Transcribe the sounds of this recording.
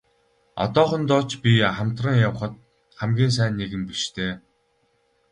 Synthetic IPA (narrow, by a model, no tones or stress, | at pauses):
ɔ̰t̪ɔːχə̆nt̪ɔːt͡ɕpʲiχamt̪rə̆ŋjawχə̆t̪̚ | χæmɡʲiːns̬æːnːeɣɘ̆mpiʃt̪ʰeː